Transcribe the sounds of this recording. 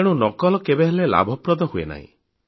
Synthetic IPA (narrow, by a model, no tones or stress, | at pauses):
eɽ̃unɔkɔlɔkebeɦelela̰bʱɔpɾɔd̪ɔhuena̰ɦḭ̃